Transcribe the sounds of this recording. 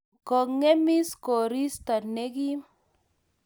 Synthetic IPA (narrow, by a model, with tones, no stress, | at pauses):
kɔ˨ŋe˦mi˦skɔ˨ɾi˦st̪a˨ne˦ɡi˦